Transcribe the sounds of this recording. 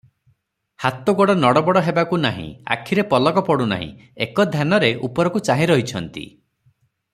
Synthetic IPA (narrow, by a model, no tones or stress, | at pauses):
hat̪ɔɡɔɽɔnɔɽɔbɔɽɔɦebakunaɦḭ̃a̰kʰiɾepɔlɔkɔpɔɽuna̰ɦḭ̃ekɔd̪ʱjanɔɾeʔupɔɾɔkut͡ʃaɦĩɾɔɦit͡ʃʰɔnt̪ḭ